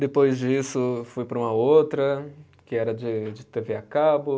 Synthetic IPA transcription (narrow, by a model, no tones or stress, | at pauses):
d̪epojzd͡ʒisʊfujpɾɐũmɐowt̪ɾɐ | kɪɛɾɐd͡ʒɪd͡ʒɪt̪eveakabʊ